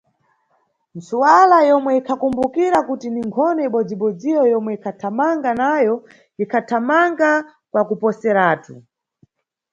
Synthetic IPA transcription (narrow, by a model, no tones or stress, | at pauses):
nsuwalajɔmwɛikʰakumbukiɾakutiniŋkʰɔnɔiɓɔd͡ziɓɔd͡zijɔjɔmwɛikʰatʰamaŋɡanajɔ | ikʰatʰamaŋɡa | kwakupɔsɛɾaːtʰu